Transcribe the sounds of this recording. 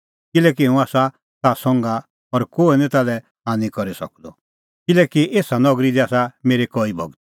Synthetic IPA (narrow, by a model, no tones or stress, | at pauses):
kɪlɛːk̬iɦɛũaːsa | t̪asɔ̃ŋɡa | ɔɾkoːinĩt̪alɛ | aːnĩkɔɾisɐ̰k̚d̪ɔ | kɪlɛːkiʔeːsanɔɡɾid̪iaːsameːɾekɔibʱɔ̰ɡt̪̚